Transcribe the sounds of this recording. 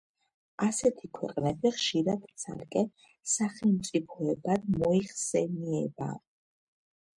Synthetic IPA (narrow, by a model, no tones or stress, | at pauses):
asɛt̪ʰikʰwɛ̰qʼnɛbiχʃiɾad̪̥t̪sʰa̰lkʼɛ | saχɛlˠmt̪sʼipʰɔɛbad̪mɔiχsɛniɛba̰